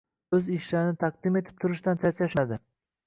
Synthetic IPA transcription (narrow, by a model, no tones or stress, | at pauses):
ɵzɪʃlaɾɪnɪt̪ʰaq̚d̪ɪme̞t̪ʰɪ̥p̚t̪ʰʊɾɪʃt̪ant͡ʃʰat͡ʃʰaʃad̪ɪ